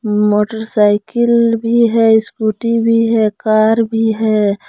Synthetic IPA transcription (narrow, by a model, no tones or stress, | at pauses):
moːʈəɾsaɪkɪlbʱiɦɛskuʈibʱiɦɛkaːɾbʱiɦɛ